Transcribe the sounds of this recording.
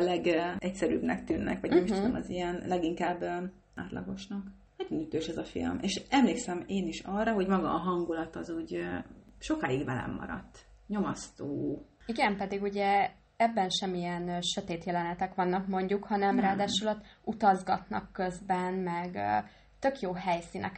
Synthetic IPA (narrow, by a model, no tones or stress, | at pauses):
lɛɡɛcsɛɾy̰bnɛ̰k̚t̪yːnːɛ̰kʋɒɟɛmiʃd̪onɒ̰zijɛnlɛɡiŋkaːbø | aːt̪lɒ̰ɡo̞ʃnɒk | nɛɟonyt̪øːʃɛzɒfḭlmeːʃɛmleːksɛmeːniʃɒrːɒɦo̞ɟmɒɡɒːɦɒŋɡulɒt̪ɒzuːɟ | ʃo̞kaːjiɡʋvɛlɛ̰mːɒ̰ɾɒ̰t̪ː | ɲo̞mɒst̪oː | iɡɛmpɛd̪iɡuɟɛ | ɛbːɛnʃɛmijɛnʃø̞t̪eːt̪jɛlɛnɛt̪ɛkʋɒnːɒkmo̞ɲɟukhɒnɛmraːd̪aːʃulɒt̪ːut̪ɒzɡɒt̪nɒ̰kːøzbɛnmɛɡ | t̪ø̞kjoːɦɛjsinʔɛ̰k